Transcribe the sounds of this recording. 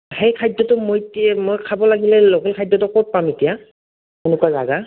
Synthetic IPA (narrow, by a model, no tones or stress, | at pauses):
hejkʰajdɔtʊmojtimojkʰabɔlaɡilɛlɔkɛlkʰajdɔtɔkɔt̚pametija | kunʊkaza̰ɡa